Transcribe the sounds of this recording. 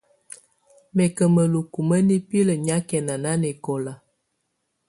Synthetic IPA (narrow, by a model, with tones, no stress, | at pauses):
mɛ˨kə˨mə˨lu˨ku˨mə˦ni˦pi˦lə˨ɲa˦kɛ˨na˨na˦ne˨kɔ˨la˨